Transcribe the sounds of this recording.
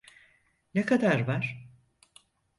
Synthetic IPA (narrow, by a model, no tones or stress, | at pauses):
nekʰad̪aɾvaɾ̥